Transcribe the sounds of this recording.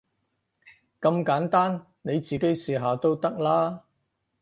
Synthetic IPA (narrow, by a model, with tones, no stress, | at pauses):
kɐ˧mkaː˨˥nt̪aː˥n | ne˨˧jt͡siː˨ke˨˥jsiː˨ɦaː˨˩t̪o˥wt̪ɐ˥k̚laː˥